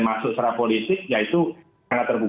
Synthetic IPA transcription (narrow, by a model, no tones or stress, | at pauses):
masʊʔsaɾapolit̪ɪk̚jait̪u | aŋat̪ːərbu